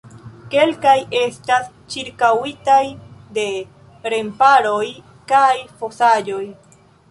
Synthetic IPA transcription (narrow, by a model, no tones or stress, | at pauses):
kelkaje̞st̪as | t͡ʃiɾkawit̪ajd̪e̞ | ɾempaɾoj | kajfosajoj